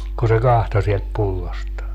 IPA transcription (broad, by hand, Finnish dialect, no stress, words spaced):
ku se kɑhto sielt pulːostɑː